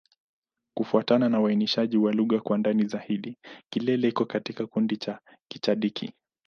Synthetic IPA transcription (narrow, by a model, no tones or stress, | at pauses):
kufuatananawainiʃaʄiwaluɣakwandanizahiɗikilɛlɛikɔkatikakundit͡ʃa | kit͡ʃaɗikʰḭ